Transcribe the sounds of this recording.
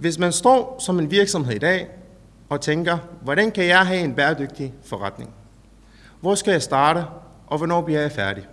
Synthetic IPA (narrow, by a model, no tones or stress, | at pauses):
ʋe̝s̬mænsd̥ɒ̰ːsɒ̽me̝nʋiɐɡ̥sɒ̽mɦe̝ð̰ˠid̥ɛ̰ː | ɒ̽t͡sʰeŋɡ̥ɐʋɒɾænkʰæjɑ̈ɪɦɛe̝nb̥ɛːɐd̥øɡ̥̚d̥ifɒʁäd̥ne̝ŋ | ʋɒsɡ̥æjɑ̈ɪsd̥ɑ̈ːɾə | ʔɒ̽ʋɒnɒ̰ːb̥liɐ̰jɑ̈ɪfæɐɾ̥i